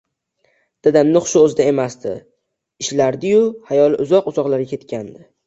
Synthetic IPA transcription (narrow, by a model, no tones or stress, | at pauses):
d̪̥ad̪amnɪχʊ̥ʃʊɵzɪd̪ae̞masd̪ɪ̰ | ɪʃlaɾd̪ɪjʊhajɒlˠɪʔʊzɒqʊzɒqlˠaɾɡʲakʰʲe̞t̪kʲʰand̪ɪ